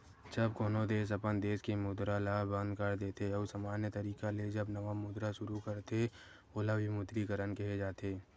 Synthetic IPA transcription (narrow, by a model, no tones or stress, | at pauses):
d͡ʒɐbkoːnod̪eːs̬əpənd̪eːskemʊd̪ɾalabə̃nd̪kəɾd̪eːt̪eɔːɾsamaːnjət̪əɾiːkaled͡ʒəbnɐʋamʊd̪ɾaʃʊɾukəɾt̪e | oːlaʋimʊd̪ɾikəɾənkɐɦed͡ʒaːt̪eː